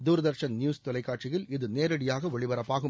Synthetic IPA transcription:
d̪uːɾɐðɐɾʃɐnnjuːst̪ɔlɐɪkːaːʈ̚t͡ʃɪjɪlɪðɯneːɾɐɽɪjaːɣɐʋɛɭɪʋɐɾɐpːaːɣɯm

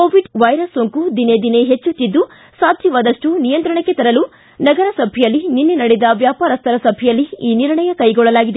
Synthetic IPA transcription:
koːʋiɖʋɐjɾɐsːoŋkud̪ined̪ine̞ɦet͡ʃːut̪ːid̪ːu | saːd̪ʱjɐʋaːd̪ɐʂʈunijɐnt̪ɾɐɳɐkːet̪ɐɾɐlu | nɐɡɐɾɐsɐbʱijɐlːininːenɐɽid̪ɐʋjaːpaːɾɐst̪ʰɐɾɐsɐbʱɛjɐlːiiːniɾɳɐjɐkɐjɡɔɭːɐlaːɡid̪e

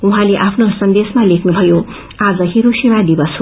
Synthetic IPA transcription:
uɦãleʔapʰnosʌnd̪esmalekʰnubʱʌjo | ad͡zʌɦiɾusimad̪ibʌsu

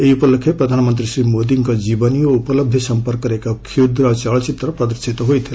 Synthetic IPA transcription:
eiupəlkʰːepɾʌd̪ʱanmənt̪ɾisɾimod̪iŋkod͡ʒibənijoupələb̚d̪ʱjʌsʌmpəɾkːʌɾekakʰid̪ɾʌt͡ʃʌɭt͡ʃit̪ɾʌpɾʌd̪əɾsʰit̪ɦojt̪ʰil

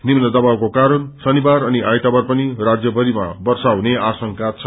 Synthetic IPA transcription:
nimnʌd̪ʌbawkokaɾʌnsʌnibaɾʌniʔajt̪abʌrpʌnirad͡zjʌbʱʌɾima̰bʌrsawneasʌŋkat͡sʰʌ

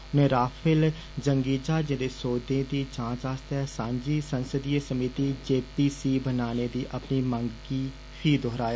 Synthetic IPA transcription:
ʊnẽːɾaːfʰɪl | d͡ʒəŋɡiːd͡ʒaːd͡ʒɪ̃ːd̪eːsoːd̪ẽːd̪iːd͡ʒãːd͡ʒaːst̪ɦɛːsãːɲd͡ʒiːsənsəd̪ieːsəmit̪iːd͡ʒeːpiːsiːbənaːneːd̪iːʔəpniːməŋɡiː | pʰiːd̪oːɦɾaːja

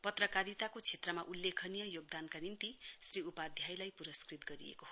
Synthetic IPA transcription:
pʌt̪rʌkaɾit̪akot͡sʰet̪rʌmaʔulːekʰʌnijʌjoɡ̚d̪ankanint̪isriupad̪ʱjajlajpuɾʌskrit̪ɡʌɾḭḛkoho

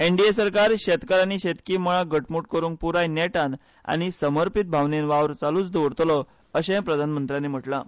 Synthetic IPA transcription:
eɳɖiesəɾkaɾɕet̪kaɾañiɕet̪kiməɭ̃aɡəʈmuʈ̚kəɾuːŋk̚puɾajneʈan | a̰ɽ̃isəməɾpit̪̚bʱaʋnenʋaʋɾt͡saluːt͡sd̪oʋɽt̪lɔ | əɕẽpɾəd̪ʱanmənt̪ɾjanem̤əʈla

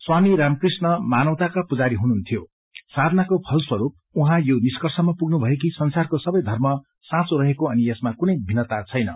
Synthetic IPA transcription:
swamiɾamkrisnʌmanʌwt̪akapud͡zaɾiɦununt̪ʰijo | sad̪ʱnakopʰʌlswʌɾup̚uɦãjoniskʌrsʌmapuɡnubʱʌek̬isʌnsarkosʌbʌjd̪ʱʌrmʌ | sãt͡soɾʌɦekoʌniesmakunʌjbʱinʌt̪at͡sʰʌjnʌ̰

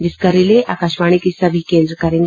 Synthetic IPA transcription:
d͡ʒɪskɐɾileʔaːkaːʃmaːɽ̃ikisɐbʱikẽːnd̪ɾəkɐɾẽːŋɡ

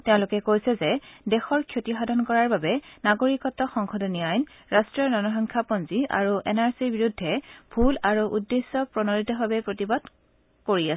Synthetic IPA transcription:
teʊ̃lʊkɛkojsɛzɛdɛxɔɹkʰjotixadʱɔnkɔɹaɹbabɛnaɡoɹikɔtːɔxɔŋkʰɔdɔnijajn | ɹastɹiɔnɔnɔɦɔŋkʰapɔnzia̰ɹuʔɛ̰naɹsiɹbiɹudʱːɛb̥ʱulaɹuʔudːesːɔpɹɔnɔɹitɔɦabɛpɹotibad̥ | koɹiasɛ

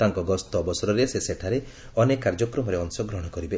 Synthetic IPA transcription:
t̪aŋkɔɡɔst̪ɔbɔsɔɾɔɾeseseʈʰaɾe | ɔnekːaɾd͡ʒɔkɾɔmɔɾeɔŋsɔɡɾɔɽ̃ɔkɔɾibe

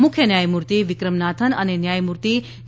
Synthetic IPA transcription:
mʊkʰjənjajmuɾt̪iʋɪkɾəmnat̪ʰənənenjajmuɾt̪i

